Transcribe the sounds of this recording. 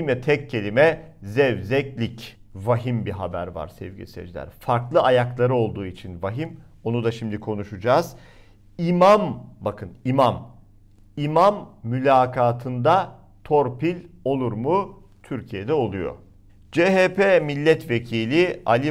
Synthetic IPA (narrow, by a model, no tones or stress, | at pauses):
mjɛt̪ʰɛcʰːe̞lʲimɛzɛvzɛclʲic | vaɦimbiɦabæ̰ɾva̰ɾsɛ̰vɟḭsɛ̰d͡ʒlʲæ̰ɾfaɾklˠɯajaklˠaɾɯo̞lˠd̪uːit͡ʃʰinvaɦimo̞nud̪aʃimd̪ikʰo̞nuʃud͡ʒaːz̥ | imambakʰɯnimam | imamːylʲaːkʰaːt̪ʰɯnd̪a | t̪ʰoɾpilʲo̞lˠuɾmu | t̪ʰyɾcʰije̞d̪ɛo̞lˠujo̰ | d͡ʒeɦeːpʰeːmilʲːɛt̪ve̞cʰiːlʲialʲi